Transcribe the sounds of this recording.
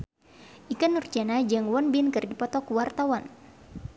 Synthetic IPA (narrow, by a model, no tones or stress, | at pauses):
ʔikanːurd͡ʒanad͡ʒaŋwɔnbɪnkɨrdipɔt̪ɔkuwart̪awan